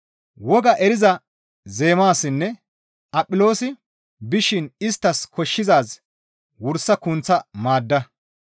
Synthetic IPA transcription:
wɔɡɐʔɛɾɪzɐ | ze̞ːmaːsːɪnːɛ | ʔɐpʼːɪlo̞ːsɪ | bɪʃɪnɪst̪ːɐskɔʃːɪzaːs | wʊɾsːɐkʊnt͡sːɐmaːd̪ːɐ

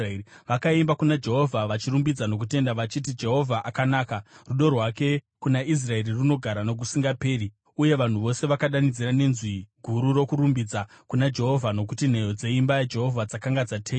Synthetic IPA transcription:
ʋakaimbakunad͡ʒe̞ɦo̞vʱaʋat͡ʃiɾumbid͡zano̞k̬ute̞ndaʋat͡ʃit̬id͡ʒe̞ɦo̞vʱaʔakanaːkaruɗo̞rwake̞ | kunais̬rae̞riruno̞ɡʱaɾano̞k̬usiŋɡape̞ːɾi | uje̞ʋan̤uʋo̞se̞ʋakaɗanid͡ziɾane̞nzwiɡʱuɾuɾo̞kuɾumbid͡za | kunad͡ʒe̞ɦo̞vʱano̞k̬utin̤e̞jo̞d͡ze̞imbajad͡ʒe̞ɦo̞vʱad͡zakaŋɡad͡zatʰeː

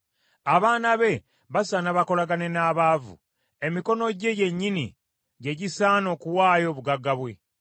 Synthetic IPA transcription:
aβaːnaβe̞ | βasanaβako̞laɡane̞naːβaːvṵ | e̞miko̞no̞ɟe̞je̞ɲːinḭ | ɟe̞ɟisaːno̞ːkuwaːjo̞ːβuɡaɡaβwe̞

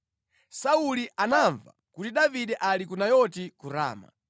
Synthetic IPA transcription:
sauliʔanaɱva̰kutiɗaviɗɛʔalikunajɔtikuɾa̰ːma̰

